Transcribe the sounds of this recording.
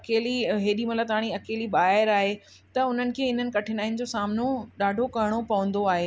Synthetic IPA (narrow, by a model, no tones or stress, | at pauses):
ɐkeːliɦeːɗimɐt̪ləb̚t̪aːɽ̃iɐkeːliɓaːɦɪɾaːɦe | t̪ɐʊn̤ənɪ̆kʰeːɪn̤ənɪ̆kɐʈʰɪnaːɪnɪ̆d͡ʑosaːmnoɗaːɖʱokɐɦɪɽ̃opɐʋə̃nd̪oaːɦeː